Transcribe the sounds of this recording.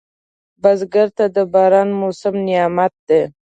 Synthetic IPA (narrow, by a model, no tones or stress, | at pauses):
bazɡaɾt̪ad̪əbɑɾɑnmosɪmnɪjɑmat̪̚d̪e